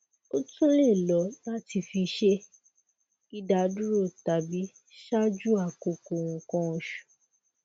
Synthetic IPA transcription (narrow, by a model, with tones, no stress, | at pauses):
o˦tũ˦le˦˨lɔ˨˦la˦ti˧fi˧ʃe˦ | i˦da˧˨˦du˦ɾo˦˨ta˨bi˨˦ | ʃa˦d͡ʒu˦a˦˨ko˨ko˨w̃ũ˨kɔ̃˧˦ɔ̃˧ʃu̥˨